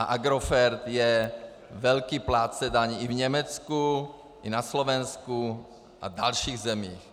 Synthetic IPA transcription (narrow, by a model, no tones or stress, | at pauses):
aʔaɡɾofɛɾt̪jɛ | vɛlkiːplaːt͡sɛdaɲiʔivɲɛmɛt͡sku | ʔinaslovɛnsku | ʔa̰d̪alʃiːɣzɛmiːx